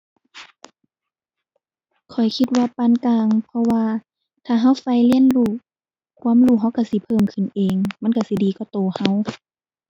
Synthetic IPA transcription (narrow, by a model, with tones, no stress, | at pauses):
kʰɔ˨˩jkʰi˧t̪̚waː˧paː˧˨nkaː˧ŋpʰɔ˧waː˧ | t̪ʰaː˧˩ɦa˧˥˨wfa˧˨jli˧˥ə˨nluː˧˩ | kʰu˧˨mluː˧˩ɦa˧˥wka˧˩si˧˦pʰɤː˧˥˨mkʰɯ˨nʔeː˨ŋma˧˥˨nka˧˩si˧˦diː˨kɔ˧˩t̪oː˨˩ha˧˥˨w